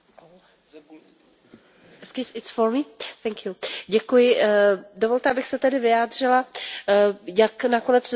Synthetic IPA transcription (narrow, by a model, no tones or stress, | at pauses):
sksɪtsfoɾmiθɛŋkjuɟɛkujɪdovo̞lt̪ɛabɪxsɛt̪ɛdɪvɪjaːdr̝ɪla | jaknakonɛt͡s